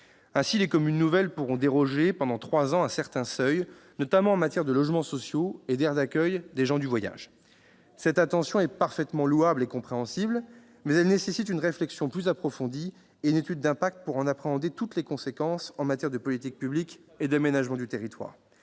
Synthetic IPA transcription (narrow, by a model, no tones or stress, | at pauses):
ɛ̃silekɔmynːuvɛlpuʁɔ̃d̪eʁɔʒepɑ̃d̪ɑ̃t̪χwazɑ̃ɛ̃sɛʁt̪ɛ̃sœj | nɔt̪amɑ̃ɑ̃mat̪jɛʁd̪əlɔʒmɑ̃sɔsjoed̪ɛʁd̪akʲœjd̪eʒɑ̃d̪yvwaja̰ʒ | sɛt̪at̪ɑ̃sjɔ̃ɛpaʁfɛt̪mɑ̃luablekɔ̃pχeɑ̃sibl | mɛzɛlnesesit̪ynʁeflɛksjɔ̃plyzapχɔfɔ̃d̪i | eynet̪yd̪ːɛ̃pak̚t̪puʁɑ̃napχeɑ̃d̪et̪ut̪lekɔ̃sekɑ̃sɑ̃mat̪ʲjɛʁd̪əpɔlit̪ik̚pyblik | ed̪amenaʒmɑ̃d̪yt̪eʁit̪wa̰ːʁ